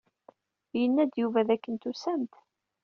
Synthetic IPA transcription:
jənːæd̪juvæðækːənt̪usæmt̪

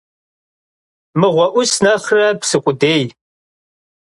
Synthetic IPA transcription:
mɨʁʷɔʔʷʊsnɐχrɐpsɨkʷʼʊdeːj

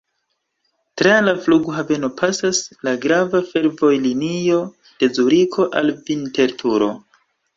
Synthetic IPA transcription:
tɾalafluɡuɦave̞no̞pʰasaslaɡɾavafe̞ɾvo̞jlinio̞ | d̥e̞zuɾikʰo̞ʔalvinte̞ɾtʰuɾo̞̰

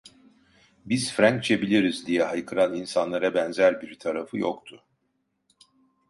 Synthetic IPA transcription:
biz̥fɾaɲk̚t͡ʃʰebilʲiɾizd̪ijɛɦajkʰɯɾaninsanlˠaɾabɛnzæɾbiɾt̪ʰaɾafɯjo̰kt̪ʰʊ

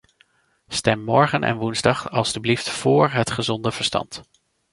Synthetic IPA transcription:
stɛmːɔɹχənʔɛ̰nʋunzdɑχɑlˠstybliftfʊːɹɦətχəzɔndəv̥əɹstɑ̰nt

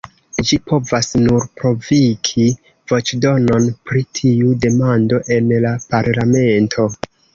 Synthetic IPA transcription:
d͡ʒipʰo̞vasnuɾpɾo̞vikʰi | vo̞t͡ʃdo̞no̞npɾitʰiude̞mando̞ʔe̞nlapaɾlame̞ntʰo̞

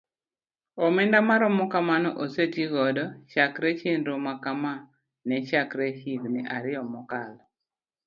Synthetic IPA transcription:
ɔmɛndamaɾɔmɔkamanɔʔosetiɡɔdɔt͡ʃakɾɛt͡ʃenɾomakama | nɛt͡ʃakɾɛhiɡnɛʔaɾɪɔmɔkal

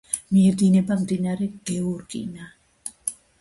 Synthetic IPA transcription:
miɛɾd̪inɛbamd̪inaɾɛɡ̥ɛuɾkʼḭna

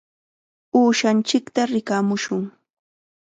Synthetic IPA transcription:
uːʃant͡ʃɪkt̪aɾɪkamʊʃʊŋ

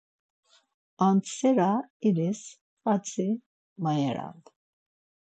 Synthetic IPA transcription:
ant̪sɛɾaiɾɛs | fʼat͡sʰʼi | majɛɾa̰n

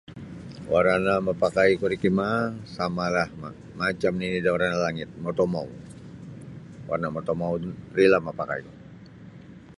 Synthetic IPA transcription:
waɾanamapakaikuɾikimasamalahma̰ | mat͡ʃamninidawaɾanalaŋɪt̪̚mɔt̪omaw | wa̰rnamɔt̪ɔmawurilamapaka̰iku

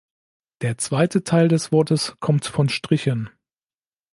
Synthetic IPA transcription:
d̥eːɐt͡sv̥aɪtʰətʰaɪldɛsv̥ɔɐtəskʰɔmtfɔnʃtʁ̥ɪçən

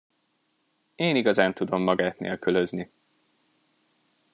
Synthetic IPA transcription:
eːniɡɒzaːnt̪ud̪o̞mːɒɡaːt̪nḛːlkøløzni

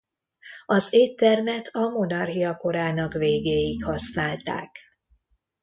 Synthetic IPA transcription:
ɒzeːt̪ːɛrmɛt̪ʰɒmo̞nɒrɦijɒko̞ɾaːnɒkveːɡeːjikhɒsnaːlt̪a̰ːk

